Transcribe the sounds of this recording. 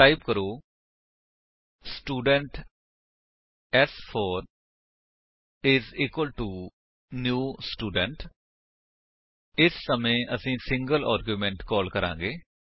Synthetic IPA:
ʈaːɪbkəɾoː | sʈuːɖəɳʈ | ɛspʰoːɾ | ɪziːkwəlʈu | njuːsʈuːɖəɳʈ | ɪsːəmẽːʔəsĩːsɪ̃ŋɡəla̰ːɾɡjuːmɛ̃ɳʈkɔːlkəɾã̰ːŋ̆ɡeː

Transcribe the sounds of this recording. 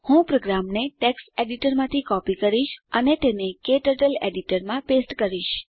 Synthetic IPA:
hũpɾoɡɾamneʈekseɖiʈəɾmãt̪ʰikɔpikəɾiʃənet̪enekeʈəʈəleɖiʈəɾmãpesʈkəɾiʃ

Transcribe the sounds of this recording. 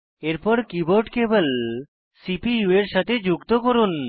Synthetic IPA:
eɾpɔɾkiboɾʈkebəl | sipiueɾʃat̪ʰed͡ʑukt̪okoɾun

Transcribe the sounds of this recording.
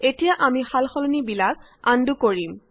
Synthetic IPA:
etijaʔamixalxɔlɔnibilak̚ | andukoɹim

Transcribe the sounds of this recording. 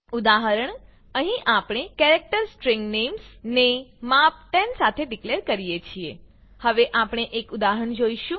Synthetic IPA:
ud̪aɦəɾəɳ | əɦĩʔapɽ̃ekɛɾek̚ʈəɾsʈɾĩŋɡnemsnemap̚ʈɛnsat̪ʰeɖikleɾkəɾijet͡ʃʰie | həʋeʔapɽ̃eʔekud̪aɦəɳd͡ʒoiʃũ

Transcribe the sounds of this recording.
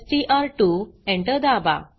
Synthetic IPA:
sʈiʔaɾʈuɛ̃ɳʈəd̪aba̰

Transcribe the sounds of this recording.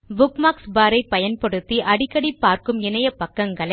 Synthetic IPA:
bʊkmaːksbaːɾɐɪpːɐjɐnpɐɽɯt̪ːiʔɐɽɪkːɐɽipːaːɾkɯmɪnɐjɐpɐkːɐŋɡɐɭɐ

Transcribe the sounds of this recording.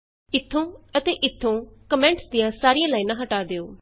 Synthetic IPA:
ɪt̪ʰːõːət̪eːʔɪt̪ʰːõːkəmɛ̃ːɳʈsd̪ijãːsaːɾijãːlaːiːnãːɦəʈaːd̪eːoː

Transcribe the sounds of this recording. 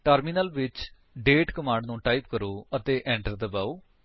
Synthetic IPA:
ʈəːɾmiːnəlʋɪt͡ʃ | ɖeːʈkəmãːɳɖnũːʈaːip̚kəɾoːət̪eːʔɛ̃ːɳʈəɾd̪əbaːoː

